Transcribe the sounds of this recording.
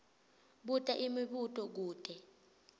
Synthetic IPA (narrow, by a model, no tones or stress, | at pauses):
ɓutʼaʔimiɓutʼɔk̬uːtʼɛ